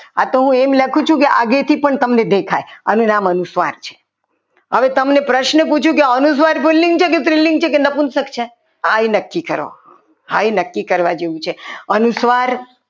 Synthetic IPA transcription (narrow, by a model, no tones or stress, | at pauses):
at̪oɦũemləkʰũt͡ʃʰũkeʔa̰ɡet̪ʰipəɳt̪əmned̪ekʰaja̰nũnamənusʋaɾt͡ʃʰe̥ | ɦəʋet̪əmnepɾəʃnəput͡ʃʰũkeənus̬ʋaɾpɪlːiŋɡt͡ʃʰek̬et̪ɾiliŋɡ̚t͡ʃʰekenəpunsəkt͡ʃʰe | ajnəkːikəɾo̰ | ajnəkːikəɾʋad͡ʒeʋũt͡ʃʰeənusʋaɾ